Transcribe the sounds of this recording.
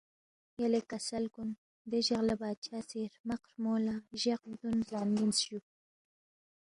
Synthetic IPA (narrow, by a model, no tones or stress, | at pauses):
jalekasalkun | d̪eʒaɣlabɑːd̪̚t͡ʃʰɑːseɾmaqɾmolaʒaqd̪unzɑːnɡinsʃu